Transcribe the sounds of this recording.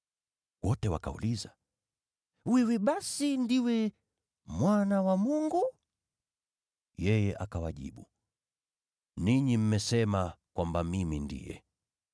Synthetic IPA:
wɔtɛwa̰ka̰ṵliza | wɛwɛɓasindiwɛ | mwanawamuŋɡu | jɛjɛʔakawaʄḭɓu | niɲim̩mɛsɛmakwambamimindḭjɛ̰

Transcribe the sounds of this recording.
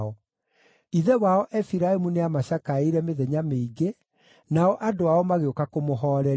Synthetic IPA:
ɔ | iðɛwaɔʔɛfiɾaemuneamaɕakaeiɾɛmeðɛɲameiɡe | naɔʔadoaɔmaɣeokakomoɦɔːɾɛ

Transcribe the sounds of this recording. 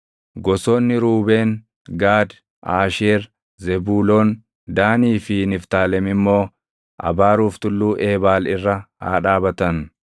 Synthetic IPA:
ɡɔsoːnːɪɾuːbe̞ːn | ɡaːd̪ | ʔaːʃeːɾ | zɛbuːloːn | d̪aːniːfɪnɪft̪aːlɛmɪmːo̞ː | ʔɐ̰baːɾuːft̪ʊlːuːʔe̞ːbaːlɪrːɐa̰ːᶑaːbɐt̪ɐn

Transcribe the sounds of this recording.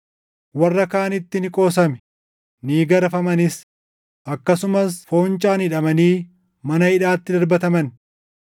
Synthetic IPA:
wɐrːɐkaːnɪt̪ːɪnɪkʼo̞ːsɐmɛ̥ | niːɡɐɾɐfɐmɐnɪs | ʔɐkːɐsʊmɐsfo̞ːnt͡ʃʼaːnhɪᶑɐmɐniː | mɐnɐhɪᶑaːt̪ːɪd̪ɐɾbɐt̪ɐmɐn

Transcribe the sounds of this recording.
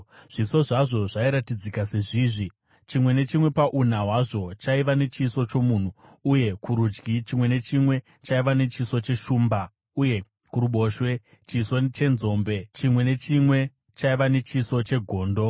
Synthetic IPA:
ʐ̥iso̞ʐaʐo̞ʐaiɾatid͡zikase̞ʐiːʐi | t͡ʃimwe̞ne̞t͡ʃimwe̞paʔun̤aɦwaʐo̞t͡ʃaiʋane̞t͡ʃiso̞t͡ʃo̞mun̤uː | je̞kuɾud͡ʒɡit͡ʃimwe̞ne̞t͡ʃimwe̞ | t͡ʃaiʋane̞t͡ʃiso̞t͡ʃe̞ʃuːmba | uje̞ | kuɾuɓo̞ʃwe̞ | t͡ʃiso̞t͡ʃe̞nzo̞mbe̞t͡ʃimwe̞ne̞t͡ʃimwe̞ | t͡ʃaiʋane̞t͡ʃiso̞t͡ʃe̞ɡʱo̞ːndo̞

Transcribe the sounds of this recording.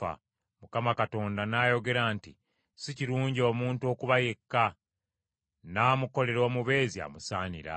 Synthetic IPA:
a̰ | mukamakato̞ːndanaːjo̞ɡe̞ɾaːnti | siciɾuːɲɟio̞ːmuːntuo̞kuβajekːa | naːmuko̞le̞ɾo̞ːmuβe̞ːzia̰musaːɲḭɾa̰

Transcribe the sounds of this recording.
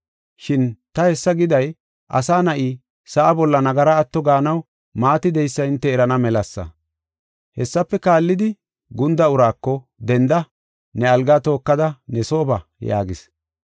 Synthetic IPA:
ʃɪnt̪ɐhɛsːɐɡɪd̪ɐj | ʔɐ̰saːnɐʔi | sɐʔɐbɔlːɐnɐɡɐɾɐːt̪ːɔɡaːnɐw | maːt̪ɪd̪ɛjsːɐɪnt̪ːɛːɾɐnɐmɛlɐsːɐ̰ | hɛsːɐpːɛkaːlːɪd̪ɪ | ɡʊnd̪ɐʊɾaːkːɔ | d̪ɛnd̪ɐ | nɛɐlɡaːt̪o̞ːkːɐd̪ɐnɛso̞ːbɐja̰ːɡɪs

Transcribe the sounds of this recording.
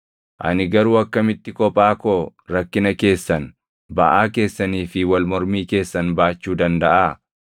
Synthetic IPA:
ʔɐ̰nɪɡɐɾuːɐkːɐmɪt̪ːɪkɔpʼaːkoːɾɐkːɪnɐke̞ːsːɐn | bɐʔaːke̞ːsːɐniːfɪwɐlmɔɾmiːke̞ːsːɐnbaːt͡ʃːuːd̪ɐnd̪ɐʔaː

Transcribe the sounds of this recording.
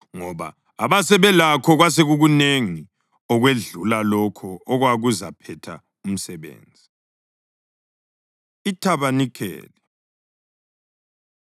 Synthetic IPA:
ŋɔβa̰ː | βasɛβɛlakʰɔɣwas̬eɣuɣuneŋi | ɔɣweɮulalɔkʰɔɔɣwaɣuzapʰɛtʰa | um̩sɛβḛːnd͡zʱi | itʰaβanikʰɛ̰ːlɛ

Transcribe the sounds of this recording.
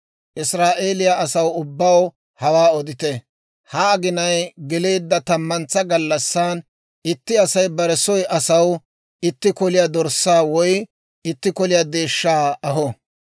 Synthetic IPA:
ʔɪsɾaːʔeːlɪjaɐsɐwʊbːɐw | hɐwaːɔd̪ɪt̪ɛ | hɐːɡɪnɐjɡɪle̞ːd̪ːɐt̪ɐmːɐnt͡sːɐɡɐlːɐsːan | ɪt̪ːɪɐsɐjbɐɾɛsɔjʔɐsɐw | ɪt̪ːɪkɔlɪjad̪ɔɾsːaːwɔj | ɪt̪ːɪkɔlɪjaːd̪e̞ːʃːaːɐɦɔ

